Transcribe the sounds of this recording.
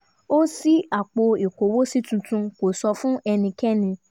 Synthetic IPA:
o˦si˦a˨k͡po˧i˨ko˨wo˦si˦tũ˧tũ˧ko˨sɔ˧fũ˦ʔɛ˧nĩ˧kɛ˦nĩ˧

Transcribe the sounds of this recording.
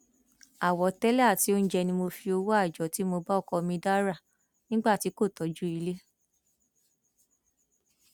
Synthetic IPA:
a˨wɔ˨˦tɛ˦lɛ˦a˦˨ti˨˦o˦ñ̩˦d͡ʒɛ˧nĩ˧mo˧fi˧o˧wo˦a˦˨d͡ʒɔ˨ti˨˦mo˧ba˦˨kɔ˧mĩ˧da˦ɾa˦˨ | nĩ˦ɡ͡ba˦˨ti˨˦ko˦˨tɔ˨˦d͡ʒu˦i˧le˦

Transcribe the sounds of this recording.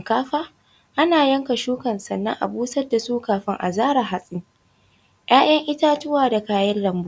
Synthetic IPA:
m˨kaː˦ɸaː˦ | ʔa˦naː˨jɐ˦ŋka˨ʃuː˦kɐ˨nsɐ˨nːɐ̰˦ŋʔa̰˨buː˦sɐ˦da˨suː˦kaː˨ɸɪ˦ŋʔa̰˨zaː˦ɾa˨ɦa˨sʼɪ˦ŋ | j̰ʔaː˦j̰ɐ˦ŋʔɪ˦taː˦tʊ˦waː˨da˨kaː˨jɐ˦llɐ˨mbu˦

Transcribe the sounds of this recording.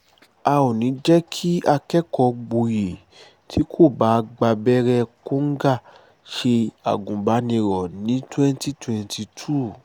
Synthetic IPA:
a˧o˨nĩ˨˦d͡ʒɛ˦kʰi˦a˧kɛ˦kɔ˧ɡ͡bo˨je˨ | tʰi˦kʰo˦˨ba˨˦˧ɡ͡ba˧bɛ˦ɾɛ˧ko˦ŋ̩˦ɡa˦˨ | ʃe˧a̰˨ɡũ˨ba˨˦nĩ˧ɾɔ˨nĩ˨˦twɛ̃˦n˦ti˦twɛ̃˧nti˧tʰu˦˨

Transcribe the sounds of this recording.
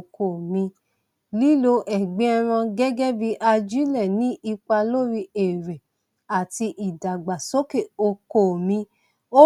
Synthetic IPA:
ko˨mĩ˧ | li˦lo˧ʔɛ˨ɡ͡be˨˦a˧ɾ̃ã˧ɡɛ˦ɡɛ˦bi˧˦ʔa˧d͡ʒu˦lɛ˦˨nĩ˨˦ʔi˧k͡pa˧lo˦ɾi˧e˨ɾe˨ | a˨ti˧ʔi˨da˨ɡ͡ba˨so˦ke˦˨o˧ko˦˨mĩ˧ | o˦

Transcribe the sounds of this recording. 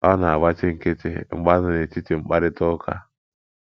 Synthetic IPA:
a˦na˨a˨ba˦t͡ʃe˦ŋ̩˦˨ke˦tḛ˦ŋ͡m̩˦ɡ͡ba˦na˨ne˨ti˦ti˨ŋ͡m̩˦k͡pa˦ɾɪ˦tɔ˦kʰa̰˦

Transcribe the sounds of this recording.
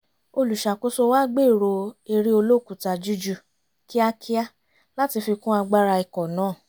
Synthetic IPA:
o˧lu˨ʃa˨ko˦so˧wa˦ɡ͡be˦˨ɾo˧e˧ɾi˦o˧lo˦˨ku˨ta˧d͡ʒu˦d͡ʒu˧˨ | ki˦a˦kʰi˦a˦ | la˦ti˧fi˧kũ˦a˧ɡ͡ba˦ɾa˧i˨kɔ˨nãː˦˨

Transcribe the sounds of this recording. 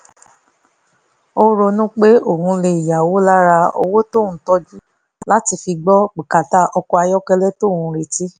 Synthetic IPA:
o˦ɾo˧nũ˦k͡pe˦o˦˨hũ˧le˧˨i˨ja˨wo˨˦la˦ɾa˧o̰˧wo˦tõ˦˨ũ˨˦tɔ˦d͡ʒu˦ | la˦ti˧fi˧ɡ͡bɔ˦k͡pi˨ka˨ta˦ʔɔ˧kɔ˧a˧jɔ˦kɛ˧lɛ˦to˦˨hũ˧˦ɾe˨ti˦

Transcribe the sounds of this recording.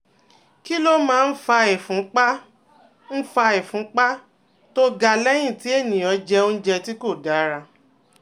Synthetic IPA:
ki˦lo˦mãː˦˧n̩˦fa˧e˨fũ˨˦k͡pa˦ | n̩˦fa˧e˨fũ˨˦k͡pa˦ | to˦ɡa˧lɛ˦j̃ĩ˦˨ti˨˦e˦˨nĩ˨ɔ˨˦d͡ʒɛ˧o˦n̩˦d͡ʒɛ˧ti˦ko˦˨ɡa˨˦ɾa˧

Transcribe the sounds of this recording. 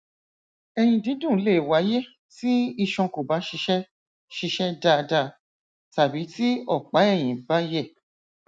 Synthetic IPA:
ɛ˧j̃ĩ˧dĩ˨˦dũ˦˨˦le˦˨wa˨˦je˦ | ti˦i˧ʃɔ̃˧ko˨ba˨˦ʃi˧ʃɛ˦ | ʃi˧ʃɛ˦da˦˨˧da˦˧˨ | ta˨bi˨˦ti˦ɔ˦˨k͡pa˨˦ɛ˦˨j̃ĩ˨ba˦jɛ˦˨

